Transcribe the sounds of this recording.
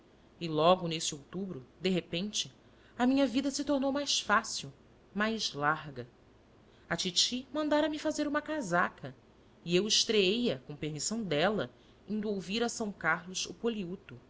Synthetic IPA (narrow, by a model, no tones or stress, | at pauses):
ɪlɔɡʊnesɪowt̪ubɾʊd̪eɦepẽnt͡ʃɪ | ɐmĩɲɐvid̪ɐsit̪oɾnowmajsfasiw | majzlaɾɡɐ | ɐt͡ʃit͡ʃimɐ̃nd̪aɾɐmifazeɾũmɐkazakʰɐ | iewɪʃt̪ɾeejɐkõpeɾmisɐ̃w̃d̪ɛlɐ | ĩnd̪uowviɾɐsɐ̃w̃kaɾlʊʃʊ̰poliut̪ʊ